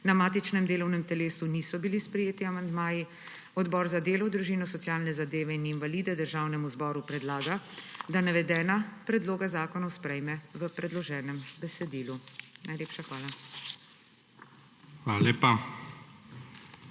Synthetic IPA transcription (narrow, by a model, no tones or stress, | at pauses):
namaːt̪it͡ʃnɛmd̪eːlɔwnɛmt̪ɛleːsunisɔbilispɾɛjeːt̪iamand̪maːji | ɔd̪bɔːɾzad̪eːlɔwd̪ɾuʒiːnɔsɔtsjaːlnɛzad̪eːʋɛininvaliːd̪ɛd̪əɾʒaːwnɛmuzbɔːɾupɾɛd̪laːɡad̪anɛʋɛd̪ɛːnapɾɛd̪loːɡazaːkɔnɔwspɾɛjmɛʋəpɾɛd̪lɔʒɛːnɛmbɛsɛd̪iːlunajleːpʃaxʋaːla | xʋaːlaleːpa